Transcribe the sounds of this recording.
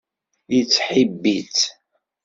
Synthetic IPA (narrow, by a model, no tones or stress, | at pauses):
jət͡sːħibːit͡s